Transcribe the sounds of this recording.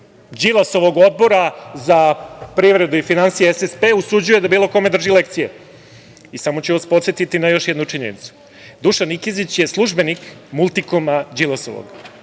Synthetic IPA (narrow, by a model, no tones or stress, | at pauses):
d͡ʒilˠaso̞ʋo̞ɡo̞d̪̚bo̞ɾazapɾiʋɾe̞d̪uifinansijeesespeusud͡ʑuje̞d̪abiːlˠo̞ko̞me̞d̪r̩ʒile̞k̚t̪sije | isamo̞t͡ɕeaspo̞t̪set̪it̪inajo̞ʃjɛd̪nuʈ͡ʂiɲenḭt̪su̥ | d̪uʃanikizit͡ɕje̞slˠuʒbe̞nikmulˠt̪ikomad͡ʑilˠasoʋo̰ɡ̥